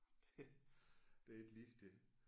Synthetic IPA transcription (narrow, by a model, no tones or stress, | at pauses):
d̥e | d̥eed̥liɡ̥d̥e